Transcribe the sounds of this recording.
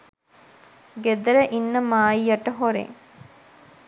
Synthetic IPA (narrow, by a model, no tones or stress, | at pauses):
ɡed̪əɾəʔinːəmaːjjaʈəɦoɾḛŋ